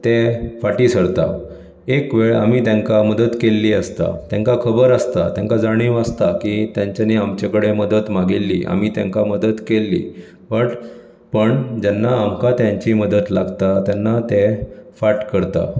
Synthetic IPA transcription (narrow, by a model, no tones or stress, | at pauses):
t̪efaʈiːsəɾt̪a̰ | ekʋeɭa̰m̤iːt̪jãŋkaməd̪ət̪kelːiːəst̪a̰t̪jãŋkakʰəbəɾəst̪a̰t̪jãŋkad͡zaɽ̃iwəst̪akit̪jãɲt͡ɕjaneamt͡ɕekəɽeməd̪ət̪maɡilːḭʔa̰m̤it̪jã̰ŋkaməd̪ət̪kelːḭː | ʋəʈ | pəɳd͡ʑɛnːaːmkat̪jãɲt͡ɕiməd̪ət̪laɡt̪at̪janːat̪efaʈkəɾt̪a̰